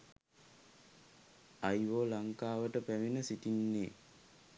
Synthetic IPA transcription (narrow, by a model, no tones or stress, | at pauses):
ajʋoːlaŋkaːʋəʈəpæʋinəsitinːeː